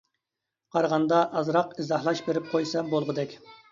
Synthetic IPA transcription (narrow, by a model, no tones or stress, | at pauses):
qʰɑɾʁɑnd̪ɑʔɑzɾɑqizɑhlˠɑʃbeɾɪp̚qʰojsɑmbolˠʁəd̪ɛkʲ